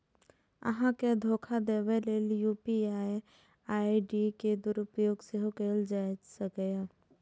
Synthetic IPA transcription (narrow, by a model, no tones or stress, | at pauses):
ə̰ɦãked̪ʱoːkʰad̪eːʋeleːljuːpiaːj | aːiɖiked̪ʊɾʊpjoːɡsəɦokeːld͡ʒaːd͡ʒsəkja